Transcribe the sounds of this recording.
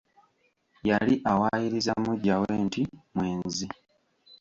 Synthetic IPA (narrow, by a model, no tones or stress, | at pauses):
jaliʔawaːjiɾizamuɟːawe̞ːntʰimweːnzi